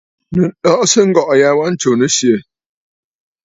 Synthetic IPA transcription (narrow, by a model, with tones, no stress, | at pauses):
nə˨ɗɔ˦ʔsə˦ŋ̩˦ɡɔ˦˨ʔja˦wa˦n̩˦t͡ʃo˨nə˦sjə˨